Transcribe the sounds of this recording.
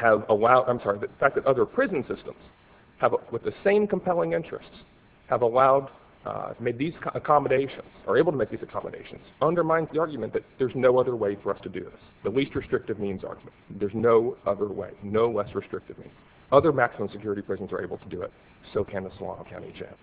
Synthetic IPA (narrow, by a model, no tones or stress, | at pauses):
hɨvəlaʊdã̰ɪ̃msɑɹiðɨðfæk̚ðɨɾʔʌðə˞pʰɹ̥ɪz̃n̩sɪstə̃mz̥ | əvwɨðɨsẽɪ̃mkə̃m̩pʰɛlˠɪ̃ŋɪ̃nt͡ʃɹ̥ɨ̰sts | həvəlaʊd̚ | meɪd̪̚ðizəkʰɑmɨɾeɪʃɨ̰̃nz̥ə̰˞eɪbl̩ˠtʰəmeɪk̚ðizɨkʰɑ̰mə̰dḛɪʃn̩z̥ʌ̃ndə˞mãɪ̃ndzðiɑɹɡjmɨ̃nðɨt̪̚ðə˞znoʊʌðə˞weɪfə˞ʌstʰɨdɨ̰ðɪ̰sðəlist̚ɹɨstɹ̥ɪk̚tɨvmĩnzɑ̰ɹɡjm̃nðə˞znoʊʌðə˞wḛɪnoʊlɛsɹɨstɹ̥ɪk̚tɨvmḭ̃nz̥ | ʌðə˞mæksəmə̃m̩sɨkʰj̥ʊɹɨɾipʰɹ̥ɪzn̩zə˞ʔeɪbl̩ˠtʰədɨɪ̰t̚ | soʊkʰɨ̃nəslɑ̰̃nkʰãʊ̃ñḭt͡ʃʰæ̰̃m